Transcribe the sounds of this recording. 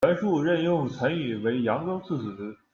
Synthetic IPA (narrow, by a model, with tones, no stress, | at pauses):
a˧˥nʂu˥˧ɻə˥˧njʊ˥˩ŋt͡sʰa˧˥ny˥˩we˧˥ɪjɑ˧˥ŋko˥ʊt͡sʰɹ̩˥˩s̩˨˩˥